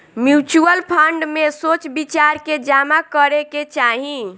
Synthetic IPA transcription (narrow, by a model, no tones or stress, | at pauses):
mjut͡ʃuəlpʰəɳɖmesot͡ʃbit͡ʃaɾked͡ʒamakəɾeket͡ʃaɦĩ